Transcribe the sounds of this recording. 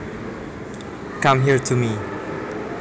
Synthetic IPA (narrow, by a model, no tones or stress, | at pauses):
kʌ̃mɦiɹtʰumi